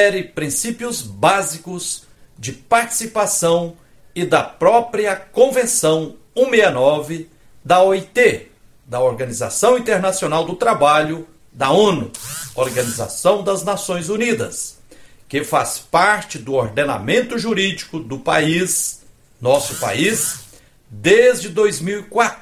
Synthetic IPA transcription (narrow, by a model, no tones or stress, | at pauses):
ɛɾɪpɾĩsipjʊzbazikʊz | d͡ʒɪpaɾt͡ʃi̥sipasɐ̃w̃ | ɪd̪ɐpɾɔpɾiɐkõvẽsɐ̃w̃ | ũmeɐnɔvɪ | d̪ɐɔit̪e | d̪ɐoɾɡɐniza̰sɐ̃w̃ĩnt̪eɾnasionawd̪ʊt̪ɾabaʎʊ | d̪ɐõnʊoɾɡɐniza̰sɐ̃w̃d̪ɐznasõj̃zunid̪ɐ̰s | kɪfaspaɾt͡ʃɪd̪ʊoɾd̪ena̰mẽnt̪ʊʒuɾid͡ʒikʊd̪ʊpa̰is | nɔsʊpa̰iz | d̪ezd͡ʒɪd̪ojzmiwikwat̪ɾ